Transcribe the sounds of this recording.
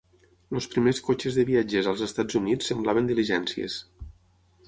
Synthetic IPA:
lospɾimeskot͡ʃəzðəβiad͡ʒezəlˠzəst̪ad͡zunit͡sːəmblaβənd̪iliʒɛnsiə̰s

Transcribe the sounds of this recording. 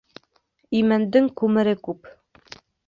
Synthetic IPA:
imænd̪ɘŋkʉmɘ̆ɾɘkʉp

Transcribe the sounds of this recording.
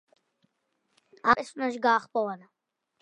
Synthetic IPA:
aɛsunaʃɡaːχpʼɔvana

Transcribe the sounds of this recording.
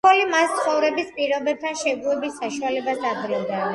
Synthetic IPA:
ɔlimast̪sʰχɔvɾɛbispʼiɾɔbɛp̚t̪ʰanʃɛɡuɛbisːaʃualɛbasad̪ɾilˠd̪a

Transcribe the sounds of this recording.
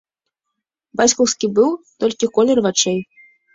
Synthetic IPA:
bat͡sʲkɔwskʲibɨwt̪ɔlʲkʲikɔlʲɛrvat͡ʂɛj

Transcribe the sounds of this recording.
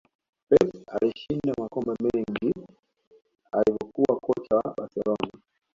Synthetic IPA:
pɛtaliʃindamakɔmbɛmɛŋɡi | alivɔkuwakɔt͡ʃawaɓaɾsɛlɔna

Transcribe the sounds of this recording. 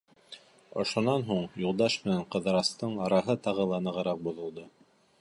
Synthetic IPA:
ŏʃŏnɑnɦuɴjulˠd̪ɑʃmɘ̆næɴqɤ̆ðɤ̆ɾɑst̪ɤɴɑɾɑɦɤt̪ɑʁɤlˠɑnɤ̆ʁɤ̆ɾɑq̚bŏðŏlˠd̪ɤ

